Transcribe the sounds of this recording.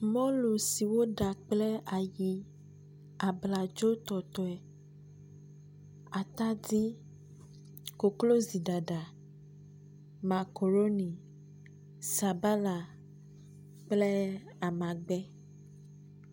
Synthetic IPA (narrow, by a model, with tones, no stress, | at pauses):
mɔ̃˦lu˨si˨wo˦ɖa˨k͡plɛ˦a˨ji˦ | a˨bla˨d͡ʒo˦t̪ɔ˨t̪ɔ˨ɛ˨ | a˨t̪a˦di˦ | ko˨klo˦zi˨da˨ɖa˨ | ma˨ko˨ɾo˦nĩ˨ | sa˨ba˦la˨ | k͡plɛ˦ | a˨mã˨ɡ͡bɛ˦